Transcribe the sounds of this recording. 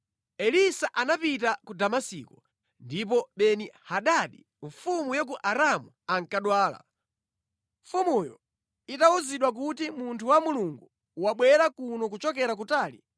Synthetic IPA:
ɛlisaʔanapit̬akudamasiːkɔ | ndip̬ɔɓɛnihaɗaɗḭ | ɱfumujɔk̬uʔaɾamu | aŋkaɗwaːla̰ | ɱfumujɔ̰ | itauziɗwak̬utimuntʰuwamuluŋɡu | waɓwɛɾakunɔk̬ut͡ʃɔkɛɾak̬utaːli

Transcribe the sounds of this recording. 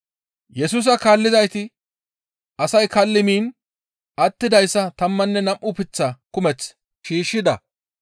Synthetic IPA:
jɛsuːs̬ɐkaːlːɪzɐjt̪ɪ | ʔɐsɐjkɐlːɪmiːn | ʔɐt̪ːɪd̪ɐjsːɐt̪ɐmːɐnːɛnɐmʔʊpɪt͡sːɐkʊmɛt͡s | ʃiːʃːɪd̪ɐ̰

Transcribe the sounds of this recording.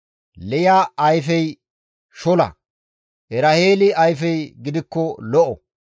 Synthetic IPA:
lɛjaːɐjfɛj | ʃɔlɐ̰ | ʔɛɾɐheːlɪɐjfɛjɡɪd̪ɪkːɔlɔʔɔ

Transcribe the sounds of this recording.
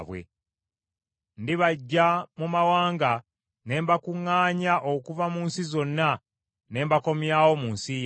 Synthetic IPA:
βwḛ | ndiβaɟːamumawaːŋɡa | ne̞ːmbakuŋːaːɲaʔokuvamuːnsizo̞nːa | ne̞ːmbako̞mjaːwo̞muːnsij

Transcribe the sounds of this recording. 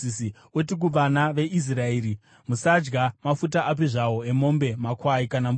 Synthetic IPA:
si | wet̬ik̬uʋanaʋe̞ʔis̬raeːɾi | musad͡ʒɡamafut̬aʔap̬iʐawo̞e̞mo̞mbe̞makwaikanam

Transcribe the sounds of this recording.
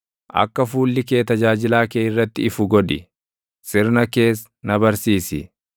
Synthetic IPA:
ʔɐ̰kːɐfuːlːɪke̞ːt̪ɐd͡ʒaːd͡ʒɪlaːkeːɪrːɐt̪ːɪɪfʊɡɔᶑɪ | sɪɾnɐke̞ːs | nɐbɐɾsiːsɪ

